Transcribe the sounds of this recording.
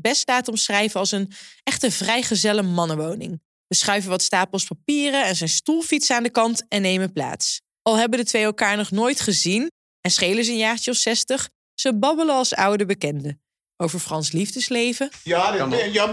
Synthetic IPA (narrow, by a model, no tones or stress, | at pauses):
bɛstaːtɔmsrɛjvəɑlˠsənɛχtəvrɛjχəzɛləmɑnəʋownɪ̰ŋ | b̥əsχœɥvəʋɑtstaːpəlˠspapiːrəɛnzɛjnstulˠfitsaːndəkɑntɛnːejməpla̰ːts | ɑlˠɦɛbəndətʋejɛlˠkaːɹnɔχnoːjtχəzin | ɛnsχejləsənjaːχt͡ʃəɔfsɛstəχ | səbɑbələɑlˠsɑ̰wdəbəkɛndə | owvəɹfrɑnslivdəslejvə